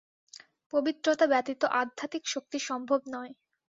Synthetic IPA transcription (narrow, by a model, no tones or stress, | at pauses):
pobit̪ːɾot̪abɛt̪it̪oʔad̪ʱat̪ikʃok̚t̪iʃɔmbʱobnɔe